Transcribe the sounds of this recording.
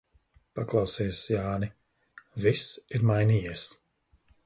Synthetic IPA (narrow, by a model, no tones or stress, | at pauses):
paklˠawsiːsjaːni | visiɾmajniːjiɛs